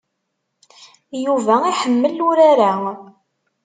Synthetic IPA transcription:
juvæiħəmːəlʊɾaɾa

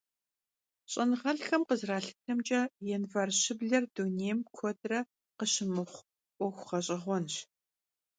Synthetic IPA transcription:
ɕʼɐnʁɐɬxɐmqəzraːɬɨ̥tʰɐmt͡ʃʼɐjɛnvɐrɕɪbɮɐrduneːjmkʷʰɔtʼrɐ | qəɕɪmɨχʷ | ʔʷɔxʷχɐɕʼɪʁʷɔnɕ

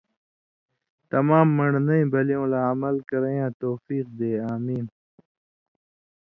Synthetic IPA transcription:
t̪ɐmaːmːɐɳɖnɐĩbɐlijõːlaːmɐlkɐɾɐjãːt̪oːfiːq̚d̪eːaːmiːn

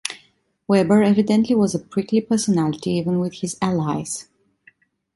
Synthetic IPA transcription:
wɛbə˞ɛvɨdɛ̃ntʰliwʌzəpʰɹ̥ɪkʰlipɜ˞sənælˠɨtiivə̃nwɪð̥hɪzælaɪz̥

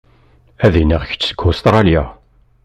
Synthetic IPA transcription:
æðiniʁçə̥t͡sːsə̥ɡost̪ɾˤɑlja

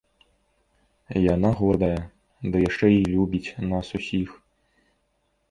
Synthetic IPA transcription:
janaɣɔrd̪ɐjɐ | d̪ɨjaʂt͡ʂɛilʲubʲit͡sʲnasusʲix

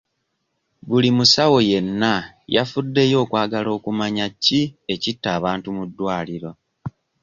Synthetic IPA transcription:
βulimusawo̞je̞nːa | jafudːe̞jo̞ːkwaːɡalo̞ːkumaɲacːie̞citːaːβaːntumudːwaːliɾo̞

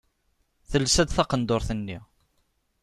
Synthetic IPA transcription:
θəlsæd̪θɑqənd̪oɾθənːḭ

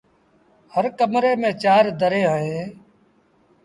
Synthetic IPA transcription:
həɾkəmɾeːmẽːt͡ʃaːɾd̪əɾeːɦəɦeː

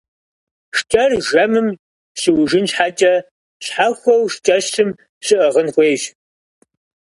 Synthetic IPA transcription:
ʂt͡ʃʼɐrʒɐmɨm | ɕɪwʒɪnɕħat͡ʃʼɐ | ɕħaxʷɔwʂt͡ʃʼɐɕɨm | ɕʼɪʔəʁənχʷeːʒ

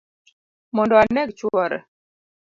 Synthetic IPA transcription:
mɔndɔanɛɡt͡ʃwɔɾɛ

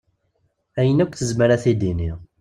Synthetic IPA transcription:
æjənækʷːθəzməɾæθid̪ini

